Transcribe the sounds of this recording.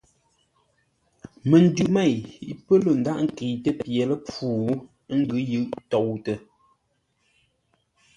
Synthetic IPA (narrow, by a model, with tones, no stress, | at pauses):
mə˨n̩˦dʉ˨ʔmɛ˦˨ji˨pə˦lo˨n̩˨da˦˨ʔŋ̩˨ki˨tə˦pje˨lə˦p͡fuː˦˨˦ | ŋ̩˦ɡʉ˨˦jɯ˦˨ʔtɔ˨wtə˨